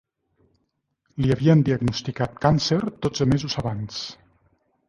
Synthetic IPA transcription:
liaβiənd̪iəɡnust̪ikat̪̚kanseɾd̪od͡zz̥əmezuzaβans

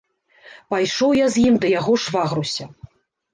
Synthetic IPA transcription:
pajʂɔwjazʲjimd̪ɐjaɣɔʂvaɣɾusʲɐ

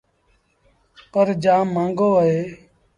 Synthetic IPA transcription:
pəɾd͡ʒãːmãːŋɡoːəɦeː

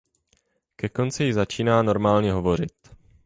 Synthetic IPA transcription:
kɛko̞nt͡sɪjɪzat͡ʃiːnaːno̞ɾmaːlɲɛɦo̞vo̞ɾɪt̪

